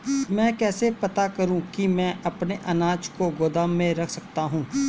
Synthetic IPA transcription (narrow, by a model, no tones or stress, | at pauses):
mɛ̃ːkɛːsepɐt̪akɐɾũkimɛ̃ːʔɐpneʔɐnaːt͡ʃkoɡoːd̪aːmːẽɾɐkʰsɐk̚t̪aɦũː